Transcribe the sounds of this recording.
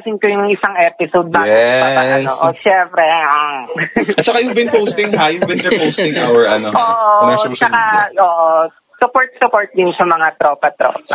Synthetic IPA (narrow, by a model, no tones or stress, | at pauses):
sɪnkojʊŋɪsaŋʔɛːpɪsowd̪̚baɛaɐɐo̰ʔoʃɛmpɾɛaŋɐt̪̚t͡ʃɐkajʊbɪnpowst̪ɪ̃ŋɦajubɪ̃nd̪ɛɹpowst̪ɪ̃ŋʔawɛɹʔɐnoʔoːʔot͡ʃɐkaʔoːʔo | sʊpoɹt̪̚sʊpoɹt̪̚d̪ɪnsɐmɐŋat̪ɾopɐt̪ɾo̰ːpɐ